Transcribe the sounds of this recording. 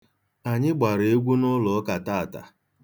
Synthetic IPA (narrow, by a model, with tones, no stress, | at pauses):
a˨ɲɪ˦ɡ͡ba˨ɾe˨e˦ɡʷu˦nʊ˦lʊ˨˦ka˨ta˦a˨ta̰˨